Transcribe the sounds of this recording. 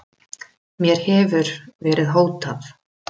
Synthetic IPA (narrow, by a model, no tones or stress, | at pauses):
mjɛɾ̥hɛvʏɾvɛːɾɪðɦoːwt̪aθ